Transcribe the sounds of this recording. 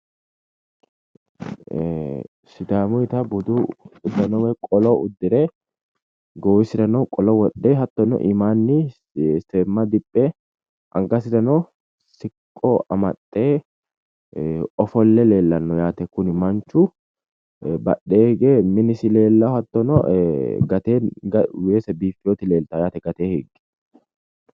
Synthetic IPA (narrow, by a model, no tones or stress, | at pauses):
sɪd̪aːmʊɪt̪ɐbʊd̪ʊʊd̪ːɐnɔwɛkʼɔlɔʊd̪ːɪɾe | ɡoːwɪsɪd̪ɐnɔkʼɔlɔwɔɗːeːɦɐt̪ːɔnɔ̰ʔɪmaːnːɪ | seːmːɐd̪ɪpʼːɛ | ʔɐ̰ŋɡɐsɪd̪ɐnɔ | sɪkʼːoɐ̰mɐt̪ʼːeː | ɔfɔlːɛle̞ːlːɐnːɔjaːt̪ɛkʊnɪmɐnt͡ʃu | bɐ̰ɗːeːhɛɡeːmɪnɪsɪle̞ːlːɐhɐt̪ːɔnɔ̰ɡɐt̪eːɡɐweːsɛbiːfɪjoːt̪ɪle̞ːlt̪ajaːt̪ɛɡɐt̪eːhɛɡɛ̥